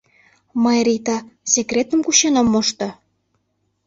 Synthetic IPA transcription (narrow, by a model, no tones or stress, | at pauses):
mɑjɾʲit̪ɑsekrʲet̪əmkuɕenomːoʃt̪ɤ̆